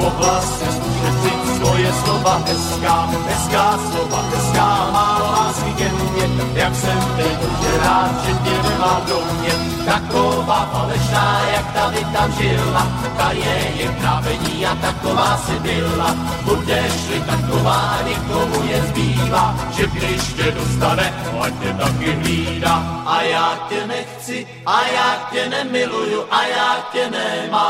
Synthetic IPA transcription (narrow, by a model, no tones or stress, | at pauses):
oblas | ɛsuʃɛt͡sɪ | skojɛslovaɦɛskaː | ɛskaːslovaɛskaːmaːolaskɪɡɛnɲɛjaksɛmvɛdʒɛɾaːt̪ʒɛɛmaːd̪ɾowɲɛ | t̪akovaːvalɛʃnaːjak̚t̪adɪt̪aʒɪla | kajɛjɛd̪navɛɲiːat̪akovaːsɛbɪlla | but̪ɛʃlɪt̪akovaːɲɛkomujɛzbiːvaːʒɛɡdɪʃc̪ɛdost̪anɛac̪ɛt̪akɪɦiːɾaʔajaːcɛnɛxt͡sɪ | ʔajaːcɛnɛmɪlujuʔajaːcɛnɛma